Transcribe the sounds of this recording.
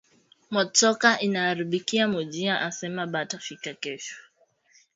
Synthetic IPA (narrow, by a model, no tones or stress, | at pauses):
mɔt͡sɔkaʔinaːɾiɓikiamɔʄiaʔasɛmaɓatafikakɛʃu̥